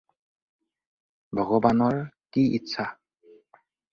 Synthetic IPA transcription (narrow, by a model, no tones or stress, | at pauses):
bʱɔɡɔbanɔɹkiḭtːsʰa